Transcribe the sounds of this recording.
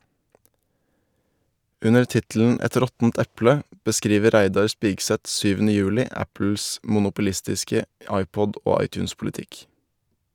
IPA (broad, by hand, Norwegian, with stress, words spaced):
ˈʉnəɾ ˈtɪtl̩n̩ ˈɛt ˈɾɔtn̩t ˈɛplə bəˈskɾiːʋə ˈɾæɪdɑɾ ˈspiːɡsɛt ˈsyːʋn̩ə ˈjʉːlɪ ˈæpl̩s mʊnʊpʊˈlɪstɪskə ˈɑɪˌpɔd ˈʔoː ˈɑɪˌtʉːnspʊlɪˌtɪk